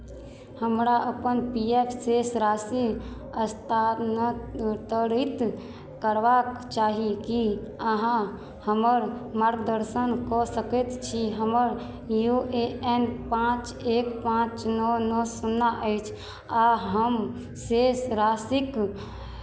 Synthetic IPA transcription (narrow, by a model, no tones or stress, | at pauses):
həmɾaʔəpənpiepʰsesɾasi | əst̪ʰanət̪əɾit̪ | kəɾʋakt͡ʃaːɦiki | əɦã | həməɾmaɾɡd̪əɾsənkɔsəkət̪t͡ʃʰiɦəməɾ | jueɛnpãt͡ʃ | ekpãt͡ʃnɔnɔsunːaʔəɪt͡ʃʰ | aɦəm | sesɾasik